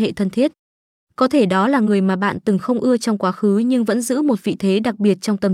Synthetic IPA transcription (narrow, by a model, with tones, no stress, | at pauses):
ḛ˧˨t̪ʰə˧nt̪ʰi˦˥ət̚ | kɔ˨˦t̪ʰe˧˩ɗɔ˨˦laː˨˩ŋɨ˨˩əjmaː˨˩ɓa̰ː˧˨nt̪ɨ˨˩ŋxə˧wŋ͡mʔɨ˧ət͡ɕɔ˧wŋ͡mkwaː˨˦xɨ˨˦ɲɨ˧ŋvə̰˧˥nzɨ̰˧˥mo˨˩t̚vḭ˧˨t̪ʰe˨˦ɗa˨˩k̚ɓi˨˩ət̚t͡ɕɔ˧wŋ͡mt̪ə˨˩